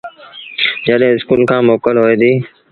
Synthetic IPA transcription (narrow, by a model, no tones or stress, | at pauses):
d͡ʒəɗɦẽːɪskuːlkʰãːmoːkəlɦoːeːd̪iː